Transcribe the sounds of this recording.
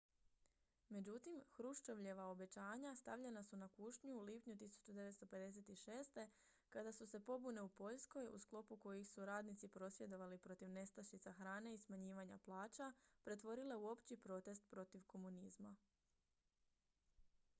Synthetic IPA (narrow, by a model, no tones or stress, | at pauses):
me̞d͡ʑut̪imxɾuʃt͡ʃo̞ʋʎe̞ʋao̞be̞t͡ɕaːɲast̪aʋʎe̞nasunakuːʃɲuːliːpɲut̪isu̥t͡ɕud̪e̞ʋet̪st̪o̞pe̞d̪e̞se̞t̪iʃe̞ːst̪e̞ | kad̪asuse̞po̞bune̞upo̞ʎsko̞jṵsklˠo̞puko̞jixsuɾaːd̪nit̪sipɾo̞sʋje̞d̪o̞ʋalipɾo̞t̪iʋne̞st̪aʃit̪saxɾaːne̞ismaɲiːʋaɲa̰plˠaːt͡ʃapɾe̞t̪ʋo̞ɾile̞uo̞pt͡ɕipɾo̞t̪e̞st̪̚pɾo̞t̪iʋko̞munizma